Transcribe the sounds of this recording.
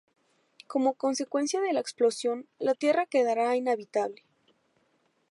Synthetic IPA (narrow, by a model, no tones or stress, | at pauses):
ko̞mo̞ko̞nse̞kwe̞nsjaðe̞laeksplo̞sjo̞nlat̪je̞rake̞ðaɾainaβit̪aβle